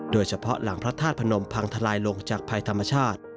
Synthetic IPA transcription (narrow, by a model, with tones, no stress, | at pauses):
doː˧jt͡ɕʰa˧pʰɔ˦˥la˩˦ŋpʰɾa˦˥t̪ʰaː˥˩t̪̚pʰa˧no˧mpʰa˧ŋt̪ʰa˧laː˧jlo˧ŋt͡ɕaː˨˩k̚pʰa˧jt̪ʰa˧mːa˧t͡ɕʰaː˥˩t̪̚